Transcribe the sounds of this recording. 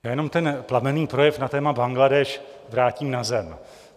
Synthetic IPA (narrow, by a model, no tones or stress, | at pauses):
aːjɛno̞mt̪ɛnplamɛniːpɾo̞jɛfnat̪ɛːmabaŋɡladɛʃvɾaːciːmnazɛm